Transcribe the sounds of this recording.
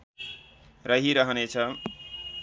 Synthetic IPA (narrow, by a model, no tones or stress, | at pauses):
rʌɦiɾʌɦʌnet͡sʰʌ